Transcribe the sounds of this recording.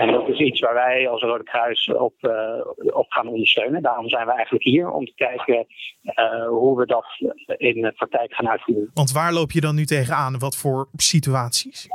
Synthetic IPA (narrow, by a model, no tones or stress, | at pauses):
ɛndɑtɪsitsʋaːɹʋɛjɑlˠsrowdəkrœɥsɔ̰p | ɔpχaːnɔndəɹstøɥnəndaːrɔmzɛjnʋəɛjχənləkɦiːɹɔ̰mtə̥kɛjkə | ɦuʋədɑtɪnəprɑk̚tɛjkχaːnœɥtfuːɹənʋɑntʋaːɹlowpjədɑnːytejχənaːnʋɑtfʊːɹsityaːtsis